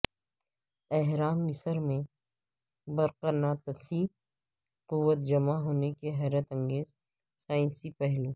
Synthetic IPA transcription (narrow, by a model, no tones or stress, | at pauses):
ɛɦɾaːmɪsəɾmẽ | bɐɾqənat̪ɐsiː | qʊwːət̪̚d͡ʒɐmaɦoːnekeɦɛːɾət̪ɐ̃ŋɡeːz | saːɪ̃nsipɛɦloː